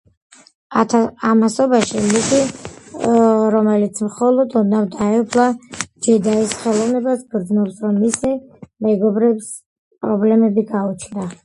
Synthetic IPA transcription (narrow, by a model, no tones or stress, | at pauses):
amasɔbaʃimit̪ʰʼi | ɾɔmɛlit̪sʰmχɔlˠɔd̪unavd̪aɛpʰlˠad͡ʒɛd̪aisχɛlˠɔvnɛbasbɾd̪znɔpsɾɔmːisimɛɡɔbɾɛps | pʼɾɔblɛmɛbiɡaut͡ʃʰnd̪a